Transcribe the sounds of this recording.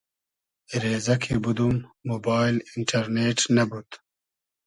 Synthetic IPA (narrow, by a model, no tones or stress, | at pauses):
ɾeːzɐkʰebud̪umːobaːjliɳʈʰɐɾneːʈnɐbut̪